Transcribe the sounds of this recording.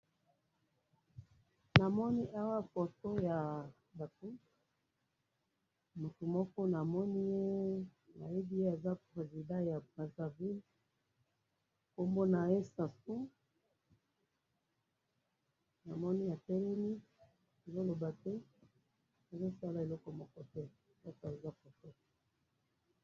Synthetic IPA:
na˨mɔ˦ni˦ʔa˦wa˦fɔ˨tɔ˦ja˨ | ba˨tu˦ | mo˨tu˨mɔ˦kɔ˦na˨mɔ˦ni˦je˦na̰˨je˦bi˦je˦a˨za˦pʁe˨zi˨dã˦ja˨bʁa˨za˨vi˦l | ko˦mbo˦na˨e˦sa˨su˦ | na˨mɔ˦ni˦ja˨tɛ˦lɛ˦ni˦ | ne˨zo˦lo˨ba˨tɛ˦ | na˨zo˦sa˦la˨e˨lɔ˦kɔ˨mɔ˦kɔ˦tɛ˦˨ | lɔ˦ka˨e˨za˦ko˨tɔ˦ḁ˨

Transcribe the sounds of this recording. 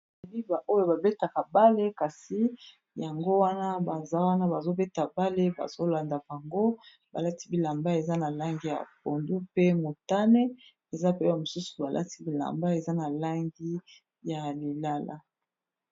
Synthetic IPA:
li˦ba˨ʔo˦jo˨ba˨be˦ta˨ka˨ba˦le˦ka˨si˦ | ja˨ŋɡo˦wa˦na˦ba˨za˦wa˦na˦ba˨zo˦be˦ta˨ba˦le˦ba̰˨z̥o˦la˨nda˨ka˨ŋɡo˦ | ba˨la˦ti̥˦bi˨la˨mba˦e˨za˦na˨la˦ŋɡi˦ja̰˨po˨ndu˦pe˦mo˨ta˦ne˦ | e˨za˦pe˦a˨mo˨su˦su̥˨ba˨lʔa̰˦ti˦bi˨la̰˨mba˦e˨za˦na˨la˦ŋɡi˦ | ja˨li˨la˦la̰˦

